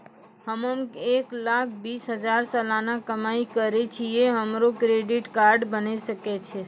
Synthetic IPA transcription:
həməmeklakʰbisɦəd͡ʒaɾsəlanakəmaikəɾet͡ʃʰijeɦəmɾokɾeɖiʈkaɾɖbənesəket͡ʃʰe

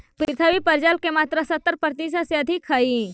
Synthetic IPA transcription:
pɾɪt̪ʰəʋipəɾd͡ʒaːlkemaːt̪ɾəsɐt̪ːəɾpɾt̪isaseɐd̪ʱɪkʰhai

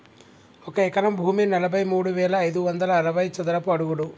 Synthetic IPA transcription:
ɔkɐɛkɐnɐmbʱuːminɐlɐbʱɐjmuːɽuʋɛːlɐːjd̪uʋɐnd̪ɐlɐːɾɐbɐjt͡ʃɐd̪ɐɾɐpuɐɽuɡuɽu

